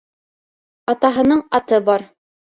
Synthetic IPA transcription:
ɑt̪ɑɦɤ̆nɤɴɑt̪ɤbɑɾ

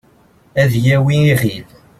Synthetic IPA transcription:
æðjæwiiʁil

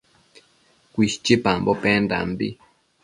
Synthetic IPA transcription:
kʷiʃt͡ʃipambopend̪a̰mbi

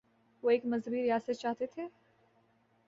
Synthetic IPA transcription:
ʋoeːkmɐzɦəbiɾɪjaːsət̪̚t͡ʃaːɦt̪et̪ʰeː

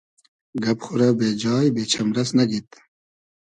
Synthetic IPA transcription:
ɡɐpχuɾɐbeːd͡ʑɑːjbeːt͡ɕʰɐmɾɐsnɐɡit̪

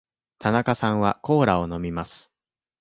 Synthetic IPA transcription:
t̪anakasãɰ̃βako̞ːɾao̞no̞mʲimasɨ̥

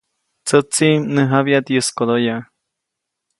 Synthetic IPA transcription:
t͡sət͡sinəɦaβjat̪jɨskod̪oja

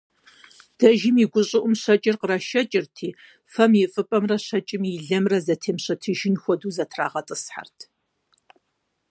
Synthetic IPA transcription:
d̥ɐʒɪmiɡʷʊɕʼɪʔʊmɕɐt͡ʃʼɪrqərɐʃɐt͡ʃʼɪrtʰiː | fɐmjɪfʼɨpʼɐmrɐɕɐt͡ʃʼɪmiɮɐmrɐzɐtʰeːmɕɐtʰɨʒɪnxʷɔduːzɐtʰra̰ːʁɐtʼɨsħa̰rtʰ

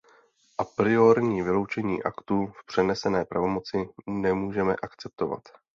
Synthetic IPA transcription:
ʔapɾɪo̞ɾɲiːvɪlo̞wt͡ʃɛɲḭːʔakt̪ufpr̥ɛnɛsɛnɛːpɾavo̞mo̞t͡sɪnɛmuːʒɛmɛ̰ʔakt͡sɛp̚t̪o̞va̰t̪

